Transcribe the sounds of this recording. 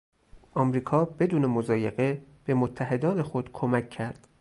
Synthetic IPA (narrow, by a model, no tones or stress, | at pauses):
ʔɒːmɾiːkʰɒːbe̞d̪uːnemozɒːje̞ɣe̞b̥e̞mot̪ʰːæɦe̞d̪ɒːne̞xod̪̥kʰomæcʰːæɾd̪̥